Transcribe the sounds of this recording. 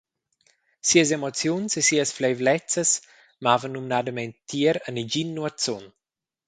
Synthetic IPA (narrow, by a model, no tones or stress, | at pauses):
siəs̬emɔt͡sjunsesiəsflejvlɛt͡səs | mavənːumnad̪əmɛnt̪ːiəɾənid͡ʒinːuat͡sɔn